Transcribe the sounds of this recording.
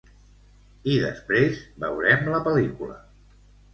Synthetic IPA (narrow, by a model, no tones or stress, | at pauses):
iðəspɾezbəwɾɛmləpəlikulə̰